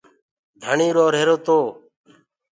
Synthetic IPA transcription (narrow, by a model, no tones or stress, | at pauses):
d̪ʱəɳiːɾoːɾeːɾoːt̪oː